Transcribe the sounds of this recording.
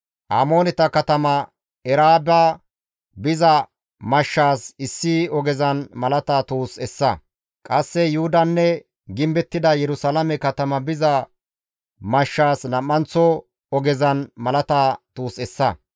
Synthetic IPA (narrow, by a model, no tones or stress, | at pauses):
ʔaːmo̞ːnɛt̪ɐkɐt̪ɐmɐ | ɛɾaːba | bɪzɐ | mɐʃːaːsɪsːɪɔɡɛzɐnmɐlɐt̪aːt̪uːsɛsːɐ | kʼɐsːɛjʊhʊd̪ɐnːɛ | ɡɪmbɛt̪ːɪd̪ɐjɛɾʊsɐlɐmɛkɐt̪ɐmɐbɪzɐ | mɐʃːaːsnɐmːɐnt͡sːɔ | ɔɡɛzɐnmɐlɐt̪aːt̪uːsɛsːɐ